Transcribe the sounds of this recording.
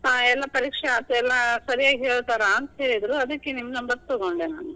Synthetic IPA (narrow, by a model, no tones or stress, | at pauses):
aɛlːɐpɐɾiːkʂeaːt̪uɛlːɐsɐɾijaːɡɦeːɭt̪aːɾaɐnt̪ɐɦeːɭid̪ɾuɐd̪ɐkːenimːnɐmbɐɾ̚t̪ɐɡoɳɖena̰ːnu